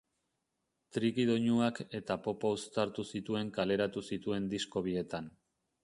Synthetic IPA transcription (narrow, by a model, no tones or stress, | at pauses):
t̪ɾikiðo̞ɲuake̞t̪apo̞powst̪aɾt̪usit̪ue̞ŋkale̞ɾat̪usit̪ue̞nd̪isko̞β̞ie̞t̪an